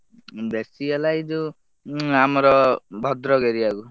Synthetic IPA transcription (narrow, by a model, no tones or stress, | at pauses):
besialajd̪u | amɔɾɔbʱɔd̪ɾɔɡeɾiaɡu